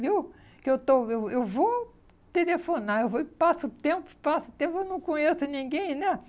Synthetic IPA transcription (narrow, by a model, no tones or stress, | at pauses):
viw | kɪewt̪oewewvo | t̪elefonaewvopasʊt̪ẽmpʊ̥pasʊt̪ẽpewnɐ̃w̃kõɲesʊnĩŋɡẽj̃nɛ